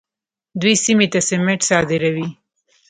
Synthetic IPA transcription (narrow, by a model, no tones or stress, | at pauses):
d̪wisimet̪asɪmeʈsɑd̪ɪɾawi